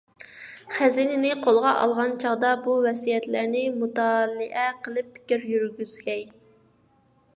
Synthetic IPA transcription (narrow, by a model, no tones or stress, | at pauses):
χæzinɪnɪqʰolˠʁɑʔɑ̰lˠʁɑnt͡ʃʰɑʁd̪ɑbuvɛsijɛt̪læɾnɪmut̪ɑːlˠɪʔɛqʰəlˠɨpʰːɪ̥kʲiɾjyɾɡʲyzɡʲɛj